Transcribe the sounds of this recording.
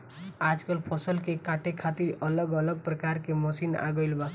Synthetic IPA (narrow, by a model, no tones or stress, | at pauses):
ad͡ʒkəlpʰəsəlkekaʈʰekʰat̪iɾələɡələɡ̚pɾəkaɾkeməsina̰ɡəɪlba